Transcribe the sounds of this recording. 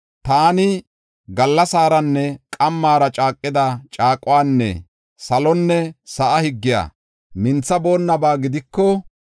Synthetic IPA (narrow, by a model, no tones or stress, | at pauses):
t̪aːnɪ | ɡɐlːɐsaːɾɐnːɛkʼɐmːaːɾɐt͡ʃʼaːkʼːɪd̪ɐt͡ʃʼaːkʼːʊwaːnːɛ̰ | sɐlɔnːɛsɐʔɐhɪɡːɪja̰ː | mɪnt͡sːɐbo̞ːnːɐbaːɡɪd̪ɪkːɔ